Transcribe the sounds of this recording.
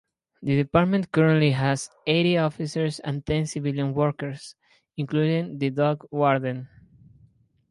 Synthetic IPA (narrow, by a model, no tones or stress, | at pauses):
ðɨðipaɾt̪mə̃ntkʌɹə̃nt̪liɦaz | eɾiɔfisəɹsã̰nt̪ɛ̃nsiviljə̃nwɔɹkəɹs | ĩŋkludĩŋðɨd̪ɔɡwɔɹd̪ə̃n